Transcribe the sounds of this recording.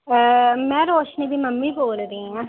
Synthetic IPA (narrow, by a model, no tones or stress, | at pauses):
mɛ̃ːɾoːʃniːbʱiːməmːiːboːlɾĩɛ̃ː